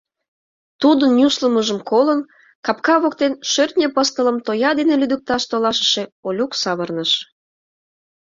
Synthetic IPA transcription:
t̪ud̪ənjʲusləməʒəmkolən | kɑpkɑβokt̪enʃørt̪ʲnʲepəst̪ələmt̪ojɑd̪enelyd̪ək̚t̪ɑʃt̪olɑʃə̥̆ʃeolʲuksɑβərnəʃ

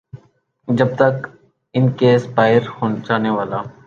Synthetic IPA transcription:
d͡ʒəb̚t̪ək | ɪnkeːspaːɪɾhont͡ʃaːneːʋaːlaː

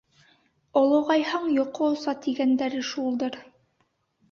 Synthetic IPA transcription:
ŏlˠɤ̆wʁɑjhɑɴjoqoosɑt̪iɡænd̪æɾɘʃulˠd̪ɤɾ

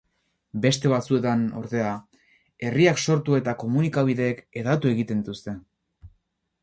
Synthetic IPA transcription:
be̞st̪e̞β̞at͡sue̞t̪ano̞̰ɾðe̞a | e̞riakso̞ɾt̪ue̞t̪ako̞munikaβ̞iðe̞ːke̞ðat̪ue̞ɣit̪e̞nt̪ust̪e̞

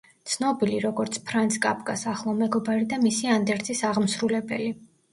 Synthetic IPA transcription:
t̪sʰnɔbiliɾɔɡɔɾt̪sʰpʰɾant̪sʰkʼapʰkasaχlˠamɛɡɔbaɾid̪amisiand̪ɛɾt̪sʼisaʁmsɾulɛbɛli

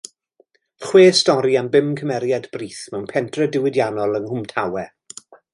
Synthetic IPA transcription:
χweːstɔɾiambɪmkʰəmɛɾjadbriːθmɛwnpʰɛntʰrɛdɪwɪdjanɔlˠənhʊmtʰawɛ

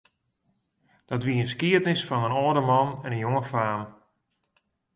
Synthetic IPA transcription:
d̥ɔɑtʋiəənskiətnɪsfɔnənɔːdəmɔnɛnənjoŋəfaːm

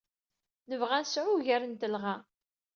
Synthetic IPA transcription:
nəvʁænsʕʊʝæɾənt̪əlʁa

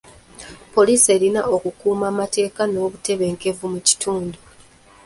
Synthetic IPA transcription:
po̞liːse̞ːlinaʔokukuːmaːmate̞ːkano̞ːβute̞βe̞ːŋke̞vumuci̥tʰuːndu

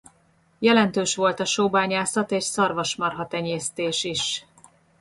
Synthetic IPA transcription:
jɛlɛnt̪øːʃʋo̞lt̪ɒʃoːbaːɲaːsɒt̪eːʃsɒrvɒʃmɒrɦɒt̪ɛɲeːst̪eːʃiʃ

